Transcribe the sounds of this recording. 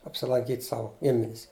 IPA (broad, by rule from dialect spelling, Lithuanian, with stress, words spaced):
ɐpʲsʲɪlˠɐŋʲˈkʲiːtʲ ˈsɐʊ ˈɡʲɪmʲɪnʲɪs